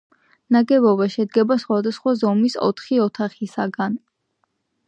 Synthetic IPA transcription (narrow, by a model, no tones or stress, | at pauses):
naɡɛbɔbaʃɛd̪ɡɛbasχwad̪asχwazɔmisɔ̰t̪ʰχiɔt̪ʰaχisaɡan